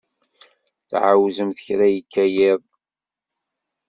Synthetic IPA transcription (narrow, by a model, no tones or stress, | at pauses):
θʕawzəmθə̥çɾæjəkːæjɪðˤ